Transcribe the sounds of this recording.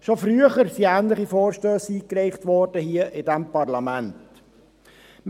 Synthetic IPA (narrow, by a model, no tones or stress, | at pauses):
ʃofɾyəχəɾsiæːnləχifɔːɾʃtøːsiːkɾɛɪχtʋɔːrd̥əhiəʔɪdæmpɑrlɑmænt | m